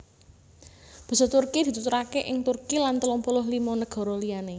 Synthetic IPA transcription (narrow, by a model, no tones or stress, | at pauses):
b̥i̤sɔt̪urkid̪̥i̤t̪ut̪uɾakeʔɪŋt̪urkilant̪əlɔmpolʊɦlimɔnəɡ̥ɔ̤ɾɔliane